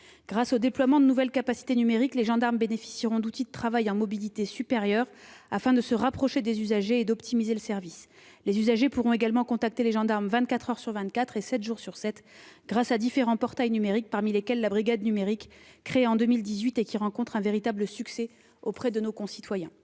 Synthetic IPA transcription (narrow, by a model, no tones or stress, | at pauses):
ɡ̥ʁasod̪eplwamɑ̃d̪ənuvɛlkapasi̥t̪enymeʁikleʒɑ̃d̪aʁmbenefi̥siʁɔ̃d̪ut̪id̪ət̪χavajɑ̃mɔbilit̪esypeʁjœʁafɛ̃d̪əsəʁapχɔʃed̪ezyzaʒeːd̪ɔpt̪ʰimizeləsɛʁvis | lezyzaʒepuʁɔ̃eɡalmɑ̃kɔ̃t̪ak̚t̪eleʒɑ̃d̪aʁmvɛ̃t̪̚kat̪χœʁsyʁvɛ̃t̪̚kat̪χesɛt̪ʒuʁsyʁsɛt̪ɡʁasad̪ifeʁɑ̃pɔʁt̪ajnymeʁik̚paʁmilekʲɛlːabʁiɡad̪nymeʁikːχeɑ̃d̪əmild̪izɥit̪ekʲiʁɑ̃kɔ̃t̪χɛ̃veʁit̪abləsyksɛ | opχɛd̪ənokɔ̃si̥t̪wajɛ̃